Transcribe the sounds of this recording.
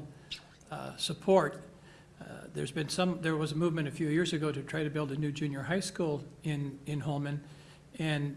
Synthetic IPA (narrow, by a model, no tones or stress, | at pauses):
səpʰɔɹt̚ | ðə̰˞zbɨ̃nsʌ̃mðə˞wʌzəmuvmɨ̃ɾ̃ɨfjʉjɪɹzɨɡoʊɾɨtʰɹ̥aɪɾɨbɪlˠdɨnʉd͡ʒʉ̃njə˞ɦaɪskulˠɪ̃nɪ̃nɦolˠmɨ̃n | ɨ̃n